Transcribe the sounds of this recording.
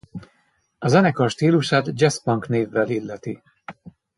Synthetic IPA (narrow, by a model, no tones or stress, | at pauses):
ɒzɛnɛkɒlʃt̪iːluʃaːt̪d͡ʒɛspɒŋkneːvːɛlilːɛt̪i